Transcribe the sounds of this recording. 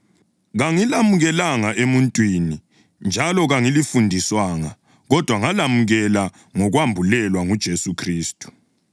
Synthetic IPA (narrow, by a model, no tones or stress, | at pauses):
ɣaŋilamuɣɛlaŋaʔemuntʼwini | nd͡ʒʱalɔɣaŋilifundʱiswaŋa | ɣɔd̥ʱwaŋalamuɣɛla | ŋɔɣwambʱulɛlwaŋud̥ʒ̥ʱesukʰriːstʼu̥